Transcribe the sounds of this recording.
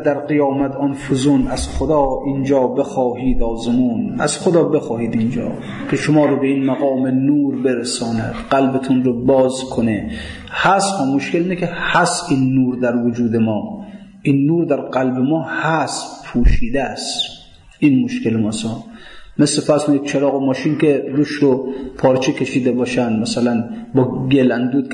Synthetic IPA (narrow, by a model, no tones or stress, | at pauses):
d̪æɾqijɒːmæt̪ʰɔnfozonæz̥χod̪ɒːʔind͡ʒɒːbexɒːhiːd̪ɒːzemuːnæ̰z̥xod̪ɒːbexɒːhiːd̪ind͡ʒɒ̰ː | kʰeʃomɒːɾobeinmaɣɒːmenuːɾbeɾesɒːnæd̪̥ɢælbet̪ʰunɾobɒːzkʰone | hæshɒːmoʃkʰelinekʲʰehæsinːuːɾd̪æɾvod͡ʒuːd̪emɒː | inːuːɾd̪æɾqælbemɒːhæspʰuːʃiːd̪es | ʔinmoʃkelmɔsɔːn | meslefæɾskonid̪̚t͡ʃʰeɾɒːɣomɒːʃinkeɾuːʃɾopʰɒːɾt͡ʃʰekʲʰeʃiːd̪ebɒːʃænd̪mæsælænbɒːɡelænd̪uːd̪̚